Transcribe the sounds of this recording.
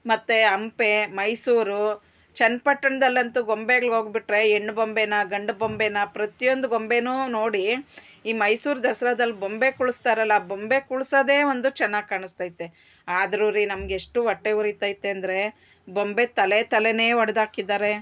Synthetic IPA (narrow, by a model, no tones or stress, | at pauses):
mɐt̪ːeɐmpe̞mɐjsuːɾu | t͡ʃɐnpɐʈːɐɳɐd̪ɐlːɐnt̪uɡo̞mbeɡɐɭo̞ːɡbiʈɾe̞eɳɖbombenɐɡɐɳɖbombenɐpɾɐt̪ijo̞nd̪uɡo̞mbe̞nuːno̞ːɽi | iːmɐjsuːɾd̪ɐsɐɾad̪ɐlːibombe̞kuɭust̪aːɾɐlːabombe̞kuɭsɐd̪e̞ːʋond̪ut͡ʃɛnːaːɡ̚kaːɳist̪aːjit̪ːe | aːd̪ɐɾuɾinɐmɐɡeːʂʈuʋɐʈːeuɾit̪ːaːjit̪ːeɐnd̪ɐɾe̞ | bo̞mbe̞t̪ɐlet̪ɐlene̞ːʋɐɽɐd̪aːkid̪ːaːɾe̞